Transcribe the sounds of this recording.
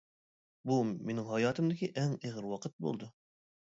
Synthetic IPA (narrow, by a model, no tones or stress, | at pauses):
bumenɪŋɦɑjɑːt̪ʰɨmd̪ɪkʲiʔɛŋeʁəɾwɑqʰət̪̚bo̰lˠd̪u